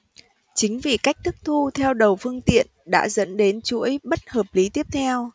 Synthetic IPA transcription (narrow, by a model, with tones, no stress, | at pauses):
t͡ɕï˨˦ŋ̟vi˨˩ka˦˥jk̚t̪ʰɨ˦˥k̚t̪ʰu˧t̪ʰɛ˧wɗə˨˩wfɨ˧əŋt̪ḭ˧˨ənɗa̰ː˧˥zə̰˧˥nɗe˨˦nt͡ɕṵ˧˥əjɓə˦˥t̚həː˨˩p̚li˨˦t̪i˦˥əp̚t̪ʰɛ˧w